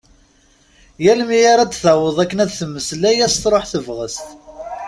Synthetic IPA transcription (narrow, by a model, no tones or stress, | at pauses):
jælmijaɾæd̪θawəðˤækːənæðθəmːəslæjæst̪ɾˤoħθəvʁəst̪